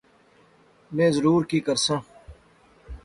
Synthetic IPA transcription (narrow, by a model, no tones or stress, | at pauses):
mẽːzəɾuːɾkiːkəɾsãː